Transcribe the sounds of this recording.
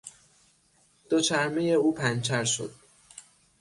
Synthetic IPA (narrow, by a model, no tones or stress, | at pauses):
d̪̥ot͡ʃʰæɾmejeuːpʰænt͡ʃʰæɾʃo̰d̪̥̚